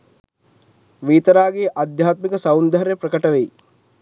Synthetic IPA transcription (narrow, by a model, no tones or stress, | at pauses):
ʋiːt̪ɐɾaːɡeːʔad̪ʱjaːt̪mikɐsɐwnd̪ʱɐɾjɐpɾɐkɐʈɐʋej